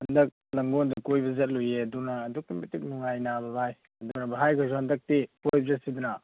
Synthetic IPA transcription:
hɐndɐk̚lɐŋɡond̪ukojbɐzɐt̚lujeɐdunɐːduk̚timitik̚nuŋajnabɐbʱaj | ɐdunɐbɐɦajkʰasohɐndɐk̚tipojb̚zɐsidunɐ

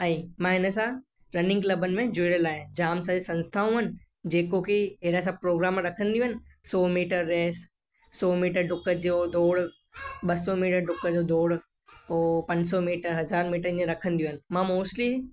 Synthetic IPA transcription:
aĩmãːɦɪnə̆sã | ɾɐnɪ̃ŋɡklɐbənɪ̆mẽd͡ʑuɽəlaːɦɪ̃d͡ʑaːmsãd͡ʑesɐ̃nst̪ʰaːũɦɐnɪ̆ | d͡ʑeːkokʰeɦeɾas̬ãpɾoːɡɾaːmɾɐkʰə̃nd̪ijũɦənɪ̆sɔːmiːʈəɾːeːs | sɔːmiːʈəɾɖʊkəd͡ʑod̪ʱoːɽ | ɓɐsɔmiːʈəɾɖʊkəd͡ʑod̪ʱoːɽ | poːpɐ̃ɲd͡ʑsɔmiːʈəɾɦɐzaːɾmiːʈəɾd͡ʑẽɾɐkʰə̃nd̪ijũɦənɪ̆mãmoːsʈli

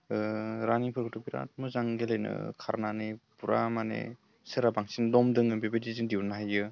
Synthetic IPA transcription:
ɾaniŋpʰɯɾkɯtʰopiɾa̰tmɯzaŋɡelajnɯ̰kʰaɾnanepuɾamanḛ | sɯɾabaŋsindɔmdɯŋɯmbebediziŋdiwnaɦajɯ

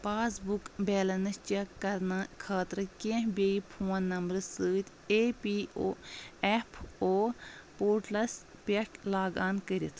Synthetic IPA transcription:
paːsbukbeːlɐnɨst͡ʃekːɐɾnakʰaːt̪ɾɨkʲẽɦbʲeipʰoːnːɐmbɾɨsɨːt̪ʲʰ | eːpiːoːɛpʰoːpoːɾʈlɐspʲeʈlaːɡaːnkəɾit̪ʰ

